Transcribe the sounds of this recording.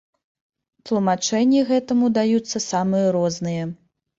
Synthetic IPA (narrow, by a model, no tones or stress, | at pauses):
t̪lˠumat͡ʂɛnʲːiɣɛt̪ɐmud̪ajut̪sːɐsamɨjɐɾɔznɨjɐ